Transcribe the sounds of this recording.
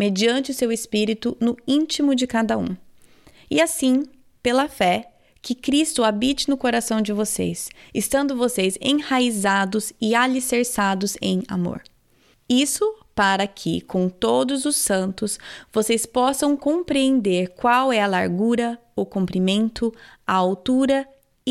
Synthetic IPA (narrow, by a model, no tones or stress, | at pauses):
med͡ʒiɐ̃nt͡ʃɪʊsewespiɾit̪ʊnʊĩt͡ʃimʊd͡ʒɪkad̪ɐṵ̃ | ɪasĩ | pelɐfɛ | kɪkɾist̪ʊabit͡ʃɪnʊkoɾasɐ̃w̃d͡ʒɪvosḛsɪst̪ɐ̃nd̪ʊvosezḛ̃haizad̪ʊzɪaliseɾsad̪ʊzẽj̃a̰mo̰ɾ | isʊpaɾɐkʰɪ̰kõw̃t̪od̪ʊzʊsɐ̃nt̪ʊsvosespɔsɐ̃w̃kõpɾiẽnd̪eɾkwawɛɐlaɾɡuɾɐʊkũmpɾimẽnt̪ʊaawt̪uɾɐ